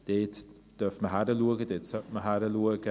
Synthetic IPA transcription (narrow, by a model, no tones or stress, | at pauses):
d̥eːt | d̥œftməɦaɾəluəɡədɪtsəməɦaɾəluəɡə